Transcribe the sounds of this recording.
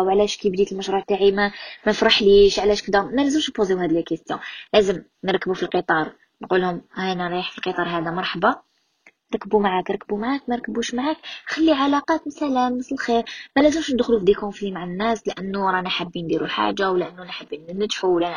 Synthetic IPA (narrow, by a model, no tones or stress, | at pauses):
wʕlæʃkibd̪it̪əlməʃɾuʕt̪aʕimæmæfɾɑħliʃʕlæʃkəd̪æmælæzəmʃnpoziwhæd̪lilkəst̪jɔ̰̃læzəm | nəɾˤkːbufilqit̪ˤɑɾˤ | nqulhʊmhænɾˤiħfilqit̪ˤɑɾˤɦæd̪æmɑɾˤħɑbɑ | ɾˤɑkːəbumaʕaknɾˤɑkːəbumaʕakmæɾˤkːəbuʃmaʕakxælːiʕalɑqɑt̪məsælæmːəsləlxiɾmælæzəmʃnəd̪xlufd̪ikhʊmfiimaʕanːæslʔənːuwɾˤɑnaħabːind̪iɾuħa̰ʒawlʔənːunħabːinnəd̪ħulæ